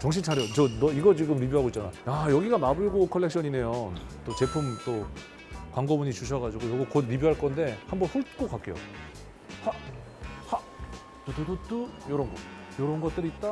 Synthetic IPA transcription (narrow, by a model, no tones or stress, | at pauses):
t͡ɕʌŋɕ̬ʰit͡ɕʰaɾjʌt͡ɕʌnʌiɡʌt͡ɕiɡɯmɾibiɦaɡoit͡ɕ͈anaajʌɡiɡamabɯɭɡokʰʌɭːe̞k̚ɕ͈ʰʌɲine̞jʌnt͈ot͡ɕe̞pʰumt͈o | kwaŋɡʌbuɲit͡ɕuɕʰʌɡad͡ʑiɡonʌɡukʌdɾibiɦaɭk͈ʌnde̞hambʌnsʰuɭk͈ok͈ak͈e̞jo̰ | ha | ha | totodot͈ɯjʌɾʌnɡʌ | jʌɾʌnɡʌt̚t͈ɯɾiːt̚t͈a